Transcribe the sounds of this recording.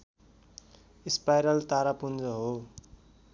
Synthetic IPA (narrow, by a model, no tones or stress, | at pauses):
ispajɾʌlt̪aɾapund͡zʌɦo